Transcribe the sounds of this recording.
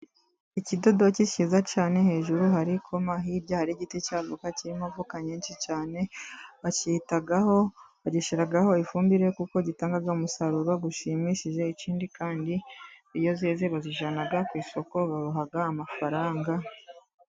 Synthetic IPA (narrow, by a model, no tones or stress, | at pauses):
icido̞dociʃizacaːne̞he̞ːʒuɾuhaɾikʰo̞maɦiɾɟahaɾiɟiticaːvokaciɾimavukaɲiːnʃit͡ʃaːne̞βacihitaɡaho̞βaɟiʃiɾaɡaho̞ifuːmbiɾe̞kuko̞ɟitaːŋɡaɡaumusaɾuɾoɡuʃimiʃiʒe̞iciːndikaːndiijo̞zeːzeβaziʒanaɡakwiːso̞ko̞βaɾuɦaɡaːmafaɾaːŋɡa